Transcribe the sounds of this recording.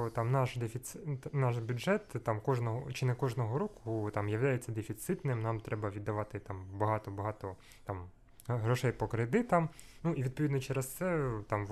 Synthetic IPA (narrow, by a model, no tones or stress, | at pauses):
t̪ɑmnɑʃd̪efʲit̪snɑʃbʲudʐɛt̪ːɑmkɔʒnɔɦɔt͡ʃɪnɛkɔʒnɔɦɔɾɔkʊt̪ɑmjɐʋlʲajet͡sʲːɐd̪efʲit̪sɪt̪nɪmnɑmt̪ɾɛbɐʋʲid̪ːɐʋɑt̪ɪt̪ɑmbɐɦɑt̪ɔbɐɦɑt̪ɔ | t̪ɑm | ɦɾɔʃɛjpɔkɾɪd̪ɪt̪ɐmnuiʋʲid̪pɔʋʲid̪nɔt͡ʃɛɾest̪sɛt̪ɑmʋ